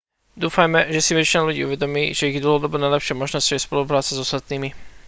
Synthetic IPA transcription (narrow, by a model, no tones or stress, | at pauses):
d̪uːfajmɛʒɛsiʋɛt͡ʃinɛluɟḭːuʋɛd̪ɔmiːʒɛiɣd̪l̩ˠɦɔd̪ɔbɔnajlɛpʃɪɛmɔʒnɔscɔɛspɔlup̬ɾaːt͡sɛzɔst̪at̪niːmi